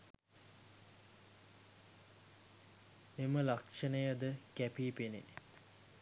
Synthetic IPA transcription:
meməlakʂənəjəd̪əkæpiːpenḛ

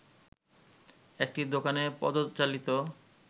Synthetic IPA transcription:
ek̚ʈid̪okanepɔ̰d̪ot̪t͡ɕalit̪o

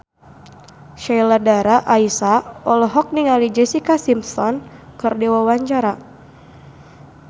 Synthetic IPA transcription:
ʃajladaɾaʔaisaɔlɔɦɔk̚niŋalid͡ʒɛsikasimpsɔnkɨrdewawaɲt͡ʃaɾa

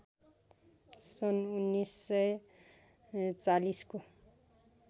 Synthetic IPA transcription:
sʌnunːisːʌj | t͡salisko

